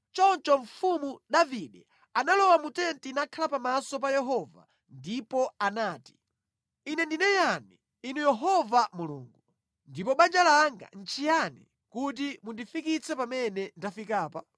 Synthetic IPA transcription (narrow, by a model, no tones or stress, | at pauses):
t͡ʃɔnt͡ʃɔɱfumuɗaviɗɛ | analɔwamutɛntinakʰalapamasɔp̬ajɛɦɔva̰ | ndipɔanaːti̥ | inɛndinɛjani | inujɛɦɔvamulṵːŋɡu | ndipɔɓand͡ʒalaŋɡa̰n̩t͡ʃʰijani | kut̬imundifikit͡sʰɛpamɛnɛntafikaːpa